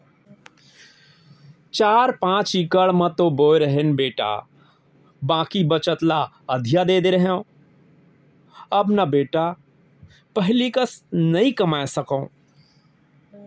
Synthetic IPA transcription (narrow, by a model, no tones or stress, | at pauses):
t͡ʃaːɾpãːt͡ʃikəɭmə̃t̪oboːeɾəɦenbeːʈa̰ | bãːkibət͡ʃət̪la | əd̪ʱjad̪eːd̪eɾəɦeõ | əbnabeːʈa | pəɦɪlikəsnɐĩkəmaːesəkõ